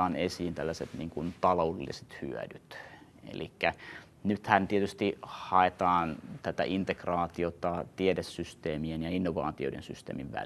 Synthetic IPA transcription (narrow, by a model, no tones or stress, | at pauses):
ɑːnesiːnt̪ælːæset̪niːŋkunt̪ɑloːdelːise̥t̪hy̰æ̰dyt̪ | ḛlikːæ | nyt̪hænt̪iet̪yst̪ihɑet̪ɑːnt̪æt̪æ̰ʔint̪ekrɑːt̪iot̪ɑt̪iedesːyst̪eːmienjɑinːoʋɑ̰ːt̪io̰ĭḛnsyst̪ḛːmiʋʋæ̰l